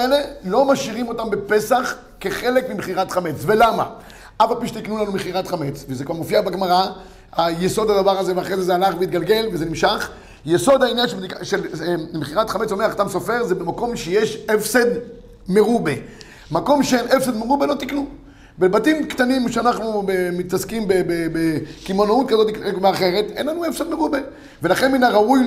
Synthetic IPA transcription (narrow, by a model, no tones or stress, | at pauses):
ele̞lo̞maʃiʁimo̞t̪ambepe̞saχ | ke̞χe̞lekmimeχiʁat̪χame̞t͡svelama̰ | afalpiʃet̪iknulanumeχiʁat̪χame̞t͡svezekvaʁmofiabaɡmaʁa | hajeso̞d̪ad̪avaʁazeveaχʁezezealaχveit̪̚ɡalɡe̞lvezenimʃaχ | jeso̞d̪ainjanʃeiaʃelmeχiʁat̪χamet͡some̞aχat̪amsofe̞ʁzebemako̞mʃejeʃefsed̪ | meʁube | mako̞mʃeenʔefsed̪meʁubelo̞t̪iknu | bebatimkt̪animʃeanaχnubemit̪askimbebebekimonaut̪̚kazot̪ikmeaχe̞ʁe̞t̪ḛnlanuefsed̪meʁube | ve̞laχenminaʁauj